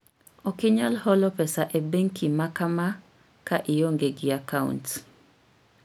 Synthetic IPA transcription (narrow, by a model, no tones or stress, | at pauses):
ɔkɪɲalhɔlɔpɛsaʔebeŋkimakama | kaʔɪjoŋɡeɡɪakaṵnt